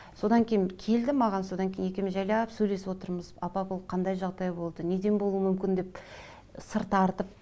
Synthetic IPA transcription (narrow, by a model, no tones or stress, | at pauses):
so̞d̪ɑŋkʲʰejɪnkʲʰe̞ld̪ɪmɑʁɑnso̞d̪ɑŋkʲʰejne̞kʲe̞mɪzʒɑjlɑpsɵjle̞sɪpwo̞t̪əɾməzɑpɑkʰolˠqʰɑnd̪ɑjʒɑʁd̪ɑjbo̞lˠd̪əne̞d̪e̞nbo̞lˠuəmʏmkʲɪnd̪e̞p | səɾt̪ɑɾt̪əp̚